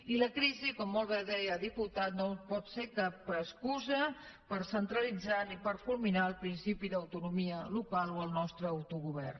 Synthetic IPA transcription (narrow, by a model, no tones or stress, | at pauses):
iləkɾizikɔmːolˠβeðɛjəðiput̪at̪nopɔt̪sekapəskuzəpəɾsənt̪ɾəlid͡zanipəɾfulminaəlˠpɾinsipiðəwt̪unumiəlukalˠoəlˠnɔst̪ɾəːwt̪uɣuβɛ̰rn